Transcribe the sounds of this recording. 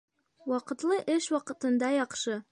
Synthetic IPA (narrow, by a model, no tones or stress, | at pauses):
wɑqɤ̆t̪lˠɤʔɘʃwɑqɤ̆t̪ɤ̆nd̪ɑjɑqʃɤ